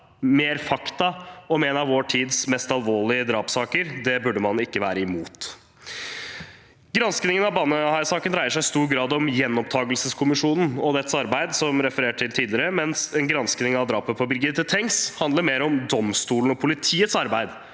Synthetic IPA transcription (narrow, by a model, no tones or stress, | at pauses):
meːɾfɑkt̪ɑɔmɛnɑʋʋoːʈʰiːd̪smɛst̪ɑlʋoːɭɪəd̪ɾɑːpsɑːkəɾd̪ɛbʉɖːəmɑnɪkːəʋæ̰ːɾəɪmuːt̪ | ɡɾɑnsknɪŋənɑʋbɑːnəhɑɪsɑːkənɾæɪəʂæɪst̪uːɾɡɾɑːd̪ɔmjɛnːɔpt̪ʰɑːɡəlsəskʰʊmɪʂuːnn̩ɔd̪ɛt̪ːsɑɾbæɪd̪sɔmɾɛfəɾeːʈʈʰːɪlt̪ʰiːd̪lɪəɾəmɛnsɛnɡɾɑnsknɪŋɑʋd̪ɾɑːpəpʰɔbɪlɡɪt̪ːət̪ʰɛŋshɑnd̪ləɾmeːɾɔmd̪ɔmst̪uːln̩ɔpʰʊlɪt̪ʰiːət̪sɑɾbæɪd̪